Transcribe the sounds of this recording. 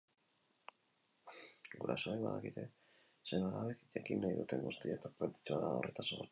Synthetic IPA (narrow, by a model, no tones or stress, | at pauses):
ɡuɾa̰so̞eβa̰ðakit̪e̞ | seβalaβekʝakinajðut̪e̞ŋɡust̪iaet̪apɾent̪i̥t͡ʃoaðao̞̰re̞t̪aso